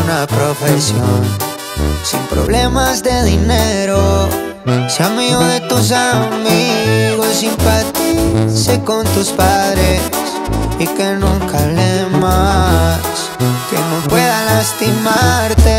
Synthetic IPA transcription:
napɾofesjon | sḭmpɾo̰βle̞mazðeðineɾo | samiɣoðet̪us̬amiɣosimpat̪isekont̪uspaðɾe | s | ikenũŋkalema | s | kenopwe̞ðalast̪imaɾt̪e

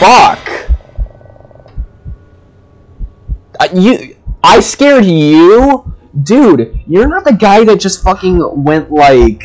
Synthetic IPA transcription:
fʌk | ajɨaɪskɛɹdjʉ | dʉd̥jə˞nət̪̚ðɨɡaɪðɨt̚d̥ʒ̥ʌstfʌkɪ̃ŋwɛ̃nʔlaɪk

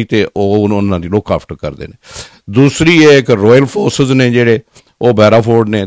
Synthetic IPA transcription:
it̪eːʔoːʊnãːd̪iːloːkaːpʰʈəɾkə̰ɾd̪ḛːneː | d̪uːsɾiːeːkɾɔːjəlpʰoːɾsɪzneːd͡ʒeːɽeː | oːbɛːɾaːpʰoːɖneː

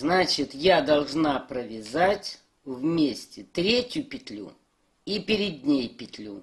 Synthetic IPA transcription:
znat͡ɕɪt̪jad̪ɐlˠʐnapɾəvʲɪzatʲ | vmʲesʲtʲɪt̪ɾʲetʲjʊpʲɪt̪ʲlʲṵ | ipʲɪɾʲɪd̪ʲnʲejpʲɪt̪ʲlʲu

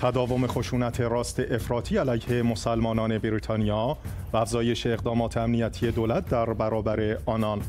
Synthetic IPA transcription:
t̪ʰæd̪ɒːvo̞me̞xo̞ʃuːnæt̪ʰe̞ɾɒːst̪ʰe̞ʔefɾɒːt̪ʰiːælæjhe̞mo̞sælmɒːnɒːne̞beɾiːt̪ʰɒːnijɒː | vææfzɒːje̞ʃeːɣd̪ɒːmɒːt̪ʰeæmnijæt̪ʰije̞d̪oːlæt̪̚ʰd̪æɾbæɾɒːbæɾe̞ɒːnɒn

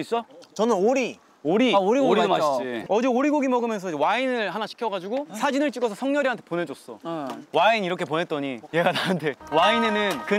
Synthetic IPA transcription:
s͈ʌt͡ɕʌnɯnoɾi | oɾioɾiɡiʌd͡ʑeoɾiɡoɡimʌɡɯmjʌnsʰʌid͡ʑwainɯɭhanaɕʰi̥kʰjʌɣad͡ʑiɡosʰad͡ʑinɯɭt͡ɕ͈iɡʌsʰʌsʰʌŋɲjʌɾiɦantʰe̥pone̞d͡ʑos͈ʌ̰wainiɾʌkʰe̞pone̞t̚t͈ʌɲije̞ɡatanɯntʰe̞waine̞nɯnkɯ

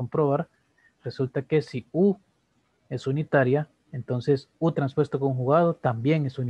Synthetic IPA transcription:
ompɾoβaɾ | result̪ake̞siu | e̞sunit̪aɾja | ent̪onse̞sut̪ɾanspwe̞st̪okuŋxuɣað̞ot̪ambje̞ŋesun

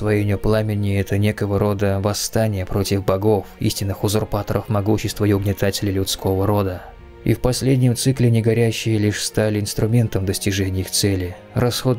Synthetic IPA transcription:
svɐjenʲɪʊplˠamʲɪnʲɪɛt̪ənʲekəvəɾo̞d̪əvɐst̪anʲɪjəpɾo̞tʲɪfbɐɡo̞fḭsʲtʲɪnːɨxʊzʊrpat̪əɾʔəfmɐɡuɕːɪst̪vəɪʊɡnʲɪt̪atʲɪlʲɪlʲʊt̪sko̞vəɾo̞d̪ə | ḭfpɐsʲlʲedʲnʲɪmt̪sɨklʲɪnʲɪɡɐɾʲæɕːɪjəlʲiʂst̪alʲɪɪnst̪ɾʊmʲe̞nt̪əmd̪əsʲtʲɪʐɛnʲɪjixt̪sɛlʲɪ | rɐsxo̞d̪

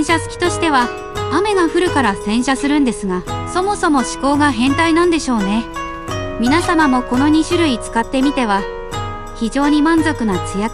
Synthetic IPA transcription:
ɕasɨ̥kʲi̥t̪o̞ɕi̥t̪e̞β̞a | ame̞ɡaɸɯ̟ɾɯ̟kaɾasẽ̞ɰ̃ɕasɨɾɯ̟̃nd̪e̞sɨɡaso̞mo̞so̞mo̞ɕi̥ko̞ːɡaɦẽ̞nt̪ainãnd̪e̞ɕo̞ːne̞ | mʲinasamamo̞ko̞no̞ɲ̟iɕɨɾɯ̟it͡sɨ̥kat̪ːe̞mʲit̪e̞βa | çid͡ʑo̞ːɲ̟imãnzo̞kɯ̟nat͡sɨja

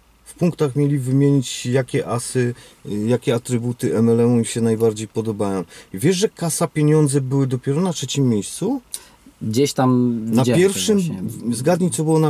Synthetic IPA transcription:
fpuŋkt̪axmʲjelʲivɘmʲjeɲit͡ɕjakʲɛʔasɘ | jakʲɛat̪ɾɘbut̪ɘʔɛmɛlɛmumiɕɛnajbaɾd͡ʑejpɔd̪ɔbajɔ̃w̃vʲjɛʂʐɛkasapʲjeɲɔnd̪zɛbɘwɘd̪ɔpʲjɛɾɔnatʂɛt͡ɕimːjejst̪su | ɡd͡ʑeɕt̪amnapjɛɾfʂɘmzɡad̪ɲit̪sɔbɘwɔna

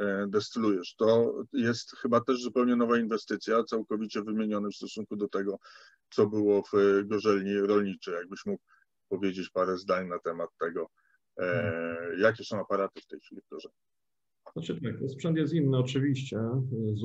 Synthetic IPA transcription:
d̪ɛst̪ɘlujɛʂt̪ɔjɛst̪xɘbat̪ɛʐzupɛwɲɛnɔvainvɛst̪ɘt̪sʲjat̪sawkɔvʲit͡ɕɛvɘmʲjeɲɔnɘmfst̪ɔsuŋkud̪ɔt̪ɛɡɔ | t̪sɔbɘwɔvɡɔʐɛlɲiɾɔlɲit͡ʂɛjaɡ̚bɘɕmukw | pɔvʲjed͡ʑet͡ɕpaɾɛzd̪aɲnat̪ɛmat̪ːɛɡɔ | jak̬ʲɛsɔ̃w̃apaɾat̪ɘft̪ɛjxfʲilʲivɡɔʐɛɲi | at͡ʂɘt̪ak̚t̪ɔspʂɛnt̪jɛst̪inːɘɔt͡ʂɘvʲiɕt͡ɕɛ

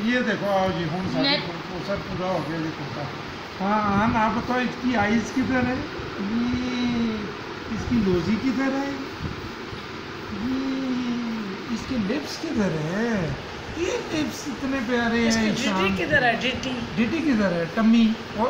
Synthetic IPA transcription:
jed̪eːkʰoaːd͡ʒiɦoːnsaeko | oːsəɾpuːɾaɦoːɡɐjajekʊt̪a | ɦãːãnaːbət̪aɪskiaːɪzkit̪əɾɦɛ | ji | ɪskiloːzikit̪əɾɦɛ | ji | ɪskelɪpskit̪əɾɦɛ | elɪpsɪt̪nep̬jaːɾeɦɛ̃ɪsaːnkit̪ɐɾɦɛɖeːʈiɖeːʈikit̪əɾaɦɛʈɐmːi | ɔː

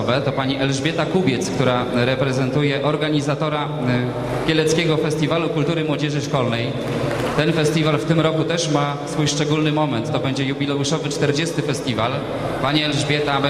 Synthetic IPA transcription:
vɛt̪ɔpaɲiʔɛlʐbʲjɛt̪akubʲjɛt̪skt̪uɾaɾɛpɾɛzɛnt̪ujɛʔɔɾɡaɲizat̪ɔɾa | kʲjɛlɛt̪skʲɛɡɔfɛst̪ʲivalukult̪uɾɘmwɔd͡ʑɛʐɘʂkɔlnɛj | t̪ɛnfɛst̪ʲivalft̪ɘmɾɔkut̪ɛʂma | sfujʂt͡ʂɛɡulnɘmɔmɛnt̪ːɔbɛɲd͡ʑɛjubʲilɛuʂɔvɘt͡ʂt̪ɛɾd͡ʑɛst̪ɘfɛst̪ʲival | paɲɛɛlʐbʲjɛt̪ab

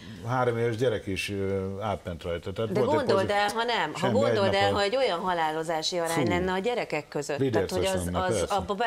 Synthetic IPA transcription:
ɦaːɾomeːvɛʒɟɛɾɛkiʃaːt̪mɛnt̪rɒjt̪ɒt̪ɛat̪d̪ɛolɡ̪ond̪o̞ld̪ɛlɦɒnɛmʃɦɒɡo̞nɛd̪o̞ld̪ɛlɦɒɛɟo̞jɒnɦɒlaːlo̞zaːʃiɒɾaːɲlɛnːɛɒɟɛɾɛkɛkkːø̞zøtlid̪aɛrhɛnːzɛrsɒbːɒb

